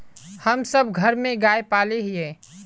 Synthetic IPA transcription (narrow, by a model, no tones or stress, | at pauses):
həmsəb̚ɡʱɐɾmẽɡaːepaːleɦɪeː